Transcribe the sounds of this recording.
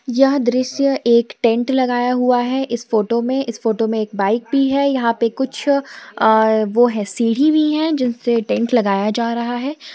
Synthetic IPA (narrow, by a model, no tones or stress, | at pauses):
jɐɦd̪ɾɪʃjəʔeːkʈɛ̃ɳʈlɐɡaːjaɦuaɦɛʔɪsfoːʈomẽʔɪsfoːʈomẽeːk̚baːɪk̚bʱiɦɛjɐɦãpekʊt͡ʃʰː | ʋoɦɛ̃siːɽ̤ibʱiɦɛ̃d͡ʒɪnseʈɛ̃ɳʈlɐɡaːjad͡ʒaːɾɐɦaɦɛː